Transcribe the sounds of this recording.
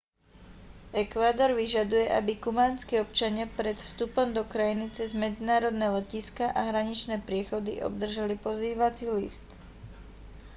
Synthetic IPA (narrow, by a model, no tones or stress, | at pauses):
ʔɛkʋaːd̪ɔɾʋiʒad̪ujɛʔa̰bikumaːnskiːɔp̚t͡ʃaɲɪapɾɛt̪fst̪upɔmd̪ɔkɾajinit͡sɛzmɛd͡zinaːɾɔd̪nɛːlɛciskaʔaɦɾaɲit͡ʃnɛːpɾɪɛxɔd̪ḭʔɔ̰b̚d̪r̩ʒalipɔziːʋat͡silḭst̪